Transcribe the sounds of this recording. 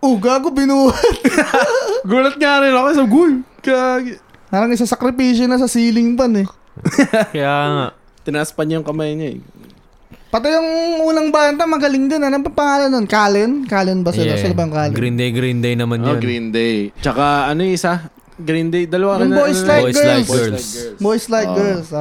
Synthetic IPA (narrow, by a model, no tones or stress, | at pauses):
ʔʊɡak̬obɪnuːɐt̪̚ | ɡuːlɐt̪̚ŋaɾɪnokosaɡʊjkɡ | paːɾɐŋʔɪsasɐkɾɪpiːʃjonɐs̬ɐsiːlɪŋbɐnɛ | kɐjaːŋaʔ | t̪ɪnɐʔaspɐɲɐjʊŋkɐmajɲɐɛ̰ | pɐt̪ɪjɐŋʔuːnɐŋbaːnt̪ɐmɐɡɐlɪŋd̪ɪnɐnopɐŋpɐŋaːlɐnːonkaːlɪnkaːlɪnbɐsɛasɐlɐbɐjʊŋkaːlɪɡɾind̪ejɡɾind̪ejnɐmanj̪ɡɾind̪ejt͡ʃɐkaɐnoɪsa | ɡɾind̪ejd̪ɐlɐwajŋbojslajjɡɛsɡsbojslajɡɛɹls